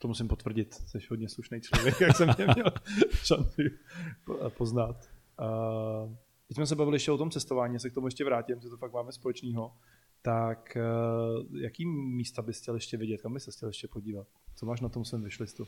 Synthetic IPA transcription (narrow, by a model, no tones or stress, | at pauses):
t̪omusɪmpot̪vr̩ɟɪt̪sɛʃɦodɲɛsluʃnejt͡ʃlovjɛkjaksɛmɲɛmɲɛlʃant͡sɪ | poznat̪ː | d̪ɪcsmɛs̬ɛbavɪlɪjɛʃcɛot̪omt͡sɛst̪ovaːɲiːjas̬ɛkt̪omujɛʃcɛvɾaːcɪmʒɛt̪ofak̚maːmɛspo̞lɛt͡ʃniːɦo̞ | t̪ak | jakiːmiːst̪abɪxcʲɛljɛʃcɛvɪɟɛt̪̚kambɪsɛxcʲɛljɛʃcɛpo̞ɟiːvat̪̚t͡somaːʃnat̪omsvɛːmvɪʃlɪst̪u